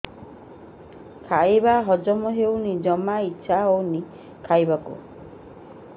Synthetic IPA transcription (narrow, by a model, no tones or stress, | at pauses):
kʰajbaɦɔd͡ʒɔmɔɦewnid͡ʒɔmaitːʃʰaowni | kʰajbakṵ